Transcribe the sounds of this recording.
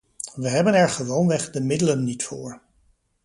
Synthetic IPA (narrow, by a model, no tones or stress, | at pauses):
ʋəɦɛbənɛɹχəʋownʋɛχdəmɪdələnːitfʊ̰ːɹ